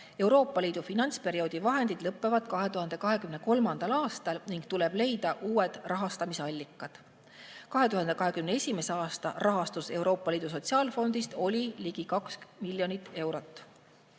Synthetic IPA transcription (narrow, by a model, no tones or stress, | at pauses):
e̞wɾo̞ːpːˑɑlʲiːd̪̥ufinɑnʲt̪spe̞ɾio̞ːd̪̥ivɑɦe̞nd̪̥id̪̥lɤpːˑe̞vɑd̪̥kɑɦe̞t̪uɦɑnd̪e̞kɑɦe̞kymne̞ko̞lmɑnd̪̥ɑlɑːst̪ɑlniŋɡ̥t̪ule̞b̥le̞jd̪̥ɑʔuːed̪̥rʔɑɦɑst̪ɑmiseɑlʲːikːˑɑd̪̥ | kɑɦe̞t̪uɦɑnd̪e̞kɑɦe̞kymnee̞sʲime̞se̞ɑːst̪ɑrʔɑɦɑst̪use̞wɾo̞ːpːˑɑliːd̪̥us̬o̞t̪ʲsiɑːlfo̞nd̪̥ist̪o̞lʲiliɡikɑksmilʲːjo̞nit̪ːe̞wɾo̞t̪ːˑ